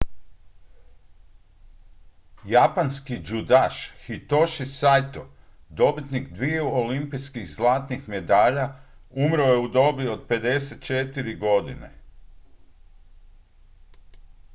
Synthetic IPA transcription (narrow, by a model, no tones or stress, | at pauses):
japanskid͡ʒud̪aʃxit̪oʃisajt̪o | d̪o̞bit̪nikd̪ʋijeuolimpijskiɣzlˠaːt̪nixme̞d̪aːʎaumɾojeud̪o̞bio̞d̪̚pe̞d̪e̞set̪̚t͡ʃet̪iɾiɡo̞d̪ḭnḛ